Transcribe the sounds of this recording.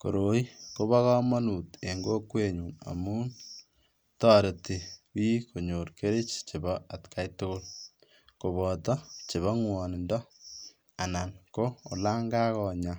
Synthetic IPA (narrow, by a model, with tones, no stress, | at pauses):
ko̰˨ɾo˨˦i˦ko˦βa˦kɔ˦ma˦nu˨te˨ŋɡo˦kwe˦ɲu˨ŋa̰˨muː˦n | tɔ˦˨ɾe˨te˨wiː˦ko˨ɲo˨ɾke˦ɾe˦t͡ʃt͡ʃe˨bɔ˦a˨tka˦jtʊ˦kʊ˦l | ko˨βɔ˨tɔ˦t͡ʃe˨βa˦ŋwɔ˨ni˨ndɔ˦ | a˨na˨nko˦o˨la˦ŋɡa˦kɔ˨ɲa˨